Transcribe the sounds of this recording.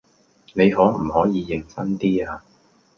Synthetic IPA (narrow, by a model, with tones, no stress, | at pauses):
ne˨˧jɦɔː˨˥m̩˨˩hɔː˨˥jiː˨˧jɪ˨˩ŋsɐ˥nt̪iː˥aː˧